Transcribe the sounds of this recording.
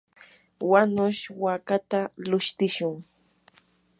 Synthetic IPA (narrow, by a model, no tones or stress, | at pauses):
wanʊʃwakat̪alʊʃt̪ɪʃʊŋ